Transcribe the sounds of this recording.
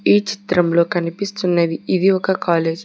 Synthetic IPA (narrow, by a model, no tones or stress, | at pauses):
iːt͡ʃi̥t̪ɾɐmlo̞ːkɐnipist̪unːeːd̪iid̪iɔkɐkaːle̞ːd͡ʒ